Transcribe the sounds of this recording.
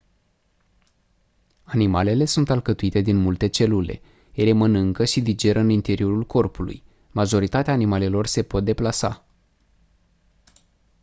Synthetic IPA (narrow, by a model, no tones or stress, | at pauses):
animale̞le̞sunt̪alkət̪uit̪e̞d̪inmult̪e̞t͡ʃe̞lule̞̰ | jele̞mənɨŋkəʃid̪id͡ʒe̞ɾəɨnint̪e̞ɾio̞ɾulko̞rpulṵj | maʒo̞ɾit̪at̪eaːnimale̞lo̞rse̞po̞t̪̚d̪e̞plasa̰